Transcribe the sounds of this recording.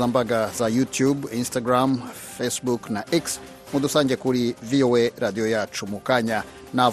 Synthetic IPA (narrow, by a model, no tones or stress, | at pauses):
aːmbaɡazajutjubinstaɡɾam | fesbuknaʔiks | mud̪usaːɲɟekuɾivioweɾad̪ijojat͡ʃumukaɲa | na